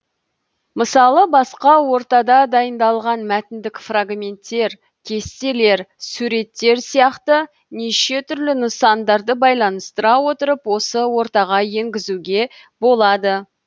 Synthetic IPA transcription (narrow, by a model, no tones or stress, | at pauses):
məsɑlˠəbɑsqɑwo̞ɾt̪ɑd̪ɑd̪ɑjənd̪ɑlˠʁɑnmæt̪ɪnd̪ɪkfraɡmʲe̞nt̪ːe̞ɾ | kʲʰe̞st̪e̞le̞ɾsuɾe̞t̪ːe̞ɾsijɑqt̪ə | neʃe̞t̪ʰʏɾlɪnəsɑnd̪ɑɾd̪əbɑjlˠɑnəst̪əɾɑwo̞t̪əɾəpwo̞səwo̞ɾt̪ɑʁɑje̞ŋɡʲɪzuɡʲe̞ | bo̞lˠɑd̪ə